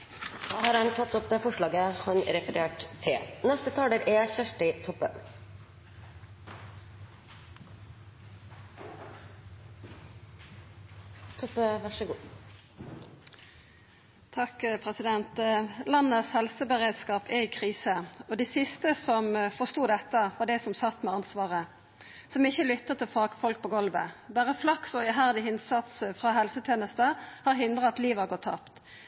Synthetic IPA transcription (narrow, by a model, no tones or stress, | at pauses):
d̪ɑːhɑɾɑnt̪ʰɑt̪ːɔp̚d̪ɛfɔʂɭɑːɡəhɑnɾɛfəɾeːʈt̪ʰːɪnɛst̪ət̪ʰɑːləɾʔɛçœʂʈɪt̪ʰɔpːə | t̪ʰɔpːəʋɑʂəɡuː | t̪ʰɑkpʰʁɛsɪd̪ɛnt̪lɑnːəshɛlsəbəʁeːd̪skɑːpʰɛɪkʰʁiːsəɔd̪ɛɪsɪst̪əsɔmfɔst̪uːd̪ɛt̪ːəʋɑɖ̪ɛsɔmsɑt̪ːmɛɑnsʋɑːʁə | sɔmɪçːəlʏt̪ːəʁt̪ʰɪlfɑkfɔlk̚pʰɔːɡɔlʋə̰bæːʁəflɑksɔɛɦæʁd̪ɪɪnsɑt̪sfʁɑɦɛlsət̪ʰeːnəst̪əhɑːʁhɪnd̪ʁəɑt̪liːʋhɑʁɡɔt̪ʰːɑ̰pt̪